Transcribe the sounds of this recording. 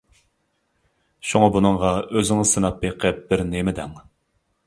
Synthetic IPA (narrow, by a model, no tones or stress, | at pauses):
ʃuŋɑbunɨŋʁɑøzɪŋɪsɨnɑpːeqʰəp̚b̥ɪɾnemɪd̪ɛ̰ŋ